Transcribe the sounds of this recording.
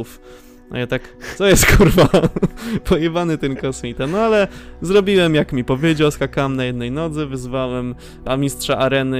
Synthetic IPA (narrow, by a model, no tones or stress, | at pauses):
uf | na̰jat̪ak̪sɔjɛst̪kʰuɾva | pʰɔivanɘt̪ɛmkɔsmʲit̪ɛmalɛzɾɔbʲiwɛmjakmʲipɔvʲjed͡ʑawskakawɛmnajɛd̪nɛjnɔd̪zɘvɘzvawɛm | amʲist̪ʂaʔaɾɛnɘ